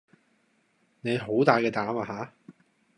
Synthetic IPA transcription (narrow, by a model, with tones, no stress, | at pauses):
ne˨˧jɦo˨˥wt̪aː˨jkɛː˧t̪aː˨˥maː˧ɦaː˨˥